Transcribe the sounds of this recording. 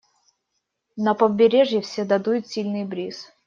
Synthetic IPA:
nəpəbʲɪɾʲeʐjɪfsʲed̪ɐd̪ujʊt̪sʲilʲnɨjbɾʲis

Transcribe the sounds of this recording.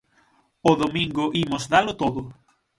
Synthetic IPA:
oðomĩŋɡʊʔimʊzd̪alʊt̪oðʊ

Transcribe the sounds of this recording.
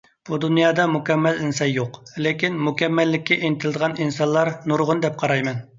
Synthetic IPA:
b̥ud̪unjɑːd̪ɑmukʲɛmːɛlinsɑnjoqlekʲinmukʲɛmːɛlːɪkʲːiʔenɪt̪ʰɪlɨd̪əʁɑninsɑnlˠɑɾnuɾʁʊnd̪ɛp̚qʰɑɾɑjmɛn

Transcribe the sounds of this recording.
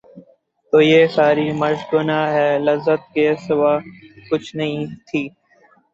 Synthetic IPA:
t̪oːjeːsaːɾiːmɐɾʃɡʊnaːɦɛːləzːət̪̚keːsɪʋaːkʊt͡ʃʰnɐɦĩt̪ʰiː

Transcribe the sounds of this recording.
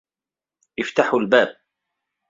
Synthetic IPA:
ʔɪft̪aħʊlbaːb̚

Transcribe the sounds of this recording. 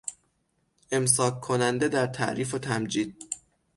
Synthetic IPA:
ʔe̞ms̬ɒːkʰːo̞nænd̪e̞d̪æɾt̪ʰæ̰ʔɾiːfo̞t̪ʰæmd͡ʒiːd̪̥̚

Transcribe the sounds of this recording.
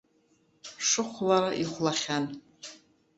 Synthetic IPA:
ʂɨχʷlaɾaʔiχʷlaχʲan

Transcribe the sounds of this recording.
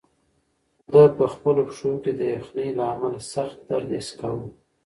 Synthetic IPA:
d̪əpəxpəlopʂoked̪əjaxnəjlaamalasaxt̪̚d̪aɾd̪eskawə

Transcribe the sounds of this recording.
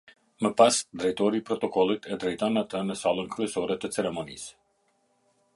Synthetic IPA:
məpasd̪ɾajt̪ɔɾipɾɔt̪ɔkɔlˠit̪ɛd̪ɾajt̪anat̪ənəsalˠɔŋkɾɛsɔɾɛt̪ɛt̪sɛɾɛmɔnḭs

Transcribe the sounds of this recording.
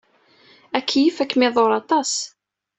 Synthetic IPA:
ækːjifækːmɪðˤoɾˤɑt̪ˤɑs

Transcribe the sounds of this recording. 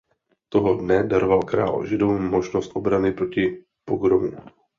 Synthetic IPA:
t̪oɦodnɛdaɾovalkɾa̰ːlʒɛdowmoʒnost̪ʔobɾanɪpɾocɪ | poɡɾomu

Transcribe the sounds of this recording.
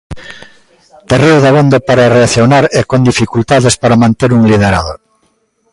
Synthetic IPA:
t̪ereoðaβond̪apaɾareaθjonaɾɛkond̪ifikult̪aðespaɾamãnt̪eɾuŋlið̞eɾa̰ðo̰

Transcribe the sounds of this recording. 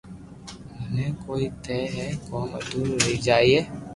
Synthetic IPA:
mənekoːit̪ɛːɦɛkɔːmə̰d̪uːɾɾɐɦid͡ʒaːieː

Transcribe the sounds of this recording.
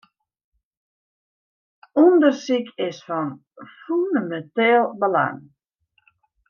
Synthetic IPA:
undərsikʰɪsfɔn | fundəmɛntɛːlˠbəla̰ŋ

